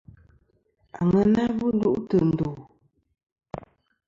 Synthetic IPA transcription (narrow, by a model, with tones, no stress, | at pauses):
a˨ŋə˨na˦bu˦n˦du˦ʔtə˨n̩˨du˨